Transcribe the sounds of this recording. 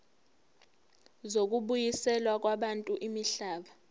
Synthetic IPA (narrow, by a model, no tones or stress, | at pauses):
zok̬ʼuɓujisɛlwak̬waɓantʼuʔimiɬaːɓa